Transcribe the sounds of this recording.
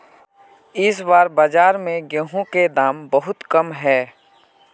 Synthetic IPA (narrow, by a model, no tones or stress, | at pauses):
ɪsbaːɾbaːd͡ʒaːɾmẽɡẽɦõked̪aːmbəɦʊt̪kəmɦɛː